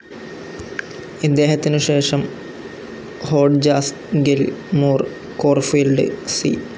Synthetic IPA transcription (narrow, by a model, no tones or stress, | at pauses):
id̪ːe̞ːɦɐt̪ːinɨɕe̞ːʂɐm | hoːɖd͡ʑaːs | ɡelmuːr | koːrfilɖɨ̰sḭː